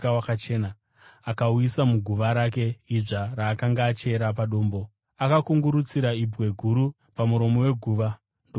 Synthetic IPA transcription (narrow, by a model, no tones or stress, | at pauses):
awakat͡ʃeːna | akauisamuɡʱuʋaɾake̞iʐaraːkaŋɡaːt͡ʃe̞ɾap̬aɗo̞ːmbo̞ | akakuŋɡuɾut͡siɾaibʱwe̞ɡʱuɾu | pamuɾo̞mo̞we̞ɡʱuːʋa | ndo